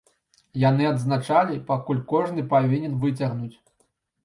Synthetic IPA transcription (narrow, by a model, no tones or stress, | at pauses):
janɨɐd̪znat͡ʂalʲipakulʲkɔʐnɨpavʲinʲɛnvɨt͡sʲɐɣnut͡sʲ